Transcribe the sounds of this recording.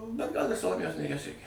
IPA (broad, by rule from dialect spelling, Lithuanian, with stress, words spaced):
bʲɛt ɡɐlˠ ɪr sɐlˠoːˈmʲeːjoːs nʲeːˈrʲiɛs ˈrʲɛɪkʲɛ